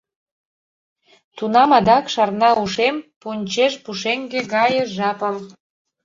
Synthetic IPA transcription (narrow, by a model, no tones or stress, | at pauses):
t̪unɑmɑd̪ɑkʃɑrnɑuʃempunʲt͡ɕeʃpuʃeŋɡeɡɑjəʒɑpəm